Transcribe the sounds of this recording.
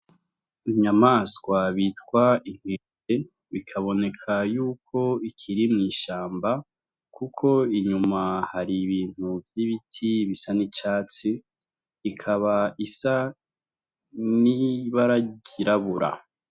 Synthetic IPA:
iɲamaskwaβiːtkwaiŋ̥ize | βikʰaβo̞ne̞kʰajuːkʰo̞ikʰiɾimŋiːʃaːmba | kʰukʰo̞iɲumahaɾiβiːn̥huvjiβitʰiβisanit͡ʃaːt͡siː | kʰaβaisa | niβaɾaɟiɾaβuɾa̰

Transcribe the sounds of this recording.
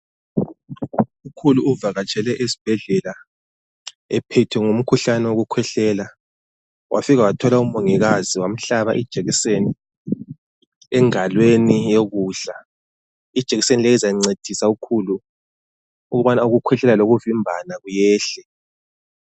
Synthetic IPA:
ukʰuluuvaɣat͡ʃʰʼɛlɛʔesi̥b̥ʱɛɮɛla | ɛpʰɛtʰwɛŋum̩kʰuɬanɛwoɣukʰwɛɬɛːla | wʔa̰fiɣawatʰɔlaumoŋiɣaziwam̩ɬaβa̰ʔid̥ʒ̥ʱeɣiseni | ɛŋalwenijoɣuːɮa | id̥ʒ̥ʱeɣisenilɛizaiŋ͡ǀed̥ʱisaukʰulu | uɣuβanauɣukʰwɛɬɛlaloɣuvimbʱanaɣujɛːɬɛ

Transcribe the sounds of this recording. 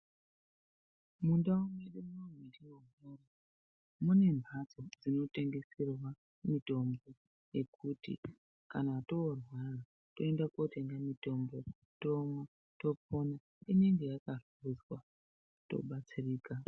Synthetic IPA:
mundaumweɗemunomwiɗiwomoːro | mune̞mbʱat͡so̞d͡zino̞te̞ŋɡe̞sirwa | mito̞mbo̞ | je̞kutḭ | kanato̞ːrwara | to̞endako̞te̞ŋɡamito̞mbo̞ | to̞mwa | to̞po̞na | ine̞ŋɡe̞jakar | uzwa | to̞̰ɓat͡siriːka

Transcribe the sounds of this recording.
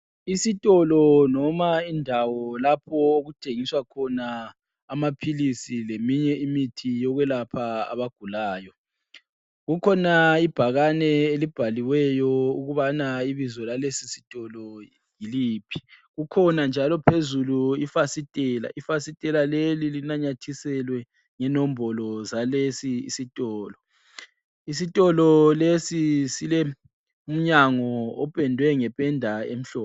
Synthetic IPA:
isitʼɔlɔnɔmaindʱawɔlapʰɔoɣutʰeŋiswakʰɔnaː | mapʰilisilemiɲɛimitʰijɔɣwɛlapʰaa̰βaɡ̥ʱulaːjɔ | ɣukʰɔnaib̥ʱaɣanɛelib̥ʱaliwɛjɔuɣuβanaiβizɔlalesisi̥tʼɔlɔ | jiliːpʰi̥ɣukʰɔnand͡ʒʱalɔpʰezuluifasitʼɛːla̰ʔifasitʼɛlalelilinaɲatʰisɛlwɛ | ŋɛnɔm̩bɔlɔzalesḭːsitʼɔːlɔ | is̬itʼɔlɔlesisilɛ | um̩ɲaŋɔːpʼɛndʱwɛŋɛpʼɛndʱaḛm̩ɬɔːpɔ

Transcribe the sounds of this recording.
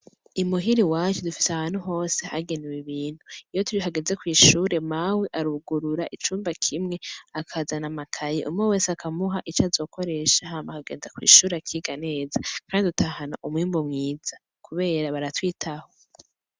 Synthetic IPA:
imuɦiɾiwat͡ʃudufi̥seahaːn̥huɦo̞ːseha̰ɡe̞newiβiːn̥huijotuiɦaɡeze̞kwiːʃuːɾe̞mawiʔaɾuɡuɾuɾaʔit͡ʃuːmbakʰimŋe̞akʰazanamakʰajḭʔṵmŋoweːseakamuɦaʔit͡ʃazo̞ːkʰo̞ɾe̞ʃahamakaɡe̞ːnzakwḭːʃuːɾeakʰiɡane̞ːzakʰaːndidutʰahanaʔumwiːmbomŋiːz̥a | kuβe̞ːɾaβaɾatwiːtʰaho̞

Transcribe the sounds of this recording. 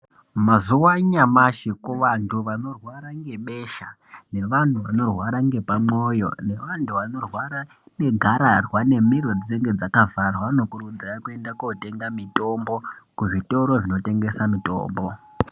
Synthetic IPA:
mazuwaɲamaʃikuʋantʰuʋano̞rwaɾaŋɡe̞ɓe̞ːʃa | ne̞ʋan̤uʋano̞rwaɾaŋɡe̞pamo̞jo̞̰ne̞ʋantʰuʋano̞rwaɾa | ne̞ɡʱaɾarwane̞miɾo̞d͡zineŋɡe̞d͡zakavarwano̞kurud͡zirakue̞ndakote̞ŋɡamito̞mbo̞kuʐito̞ɾo̞ʐino̞te̞ŋɡe̞samito̰ːmbo̞

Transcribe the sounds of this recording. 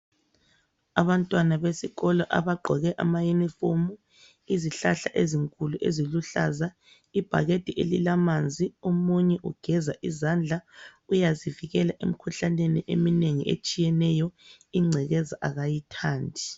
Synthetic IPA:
aβantʼwanaβesiɣɔlɔʔa̰βaɡ͡ǃʱɔɣɛʔa̰majunifomu | iziɬaɬa̰ʔeziŋkʼuluʔḛziluɬa̰za | ib̥ʱa̰ɣed̥ʱiʔelilamand͡zʱiomuɲɛʔuɡ̥ʱɛzaʔizand͡ɮʱaujaziviɣɛlaʔḛm̩kʰuɬaneniʔḛmineŋiḛt͡ʃʼijɛnɛjɔ | iŋ͡ǀʱɛɣɛzaʔaɣajitʰaːndʱi

